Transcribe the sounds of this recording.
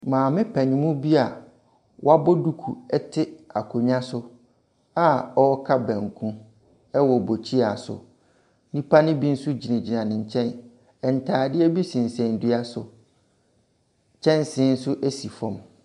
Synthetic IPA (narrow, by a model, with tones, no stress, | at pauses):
mãː˨mɪ̃˦pʰɛ˨ɲĩ˨˦mũ˦bi˦a˨ | wa˦bɔ˦du˦kʰu˨ɛ˦tʰɪ˦a˨kʰo˨ɲ˦ã˦sʊ˦ | a˦ɔ˦kʰa˦bɛ̃˨ŋ˨kʰũ˦ | ɛ˦wɔ˨bo˨t͡ɕʰi˦a˨sʊ̰˨ | nĩ˦pʰa˦nɪ̃˦bi˦n̩˦sʊ˦d͡ʑi˨nã˨d͡ʑi˨nã˨nɪ̃˨ɲ˨t͡ɕʰɛ̃˦n | ɛ˨n̩˨tʰaː˨dɪ˦ɛ˦bi˦sĩ˨n̩˨sɛ̃˨n˨dʊ˦a˦sʊ˨ | t͡ɕʰɛ̃˦n˦sɪ̃˦n̩˦sʊ˦ʔæ˦si˨fɔ̃˨m